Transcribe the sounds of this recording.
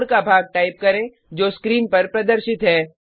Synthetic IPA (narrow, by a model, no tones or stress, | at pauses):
ɽkabʱaːɡ̚ʈaːɪp̚kɐɾẽ | d͡ʒoːskɾiːnpɐɾpɾɐd̪əɾʃɪt̪ɦɛː